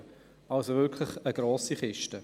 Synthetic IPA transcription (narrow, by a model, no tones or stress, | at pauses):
alsovɪkʰlɪχəɡ̥roːsiχɪʃtə